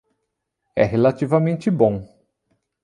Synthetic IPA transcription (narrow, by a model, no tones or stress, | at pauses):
ɛɦelat͡ʃ̪ivɐmẽnt͡ʃ̪ɪbõ